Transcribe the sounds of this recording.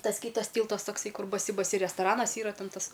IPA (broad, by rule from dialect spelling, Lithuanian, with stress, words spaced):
ˈtɐs ˈkʲiːtɐs ˈtʲiːlˠtɐs ˈtoːksɐɪ ˈkʊr bɐˈsʲɪ bɐˈsʲɪ rʲɛstɐˈrɑːnɐs ˈiːrɐ ˈtʲɛn ˈtɐs